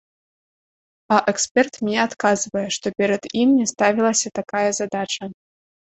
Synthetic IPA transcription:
ɐʔɛkspʲɛrt̪mʲnʲɛat̪kazvɐjɛʂt̪ɔpʲɛɾɐd̪imnʲɛst̪avʲilˠɐsʲɐt̪akajɐzad̪at͡ʂɐ

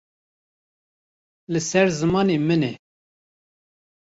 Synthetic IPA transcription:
lɨsɛɾzɨmɑːnemɨnɛ

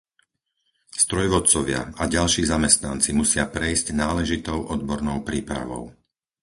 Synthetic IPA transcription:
st̪ɾɔjʋɔt̪t͡sɔʋɪa̰aɟalʃiːzamɛst̪nant͡simusɪapɾɛjzɟnaːlɛʒit̪ɔʊʔɔd̪bɔɾnɔʊpɾiːpɾa̰ʋɔ̰ʊ

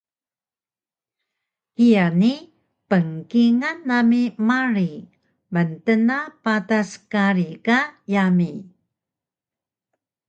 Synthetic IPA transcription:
hijani | pəŋkiŋanːamimaɾi | məntənapataskaɾikajami

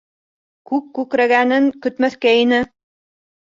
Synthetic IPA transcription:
kʉkkʉkɾæɡænɘŋkɵ̆t̪mæθkæinɘ

